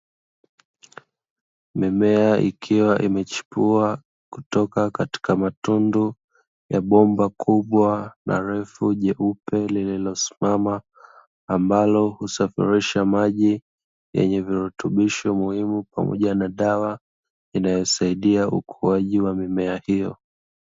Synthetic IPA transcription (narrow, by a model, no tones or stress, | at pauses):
mimɛaʔḭkʰiwaʔimɛt͡ʃu̥pua | ku̥tɔkakati̥kamatundu | jaɓɔmbakʰuɓwanʔa̰ɾɛfuʄɛʔupɛlililɔsi̥mamaː | mbalɔhusafḭɾiʃamaʄi | jɛ̰ɲɛviɾɛtʰuɓiʃɔmuhimupamɔ̰ʄanaɗawa | inajɔsaiɗiaʔukʰuaʄiwamimɛahijɔ